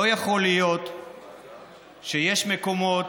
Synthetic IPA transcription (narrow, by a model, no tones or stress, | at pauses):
ojaχo̞lijo̞t̪ | ʃejeʃmeko̞mo̞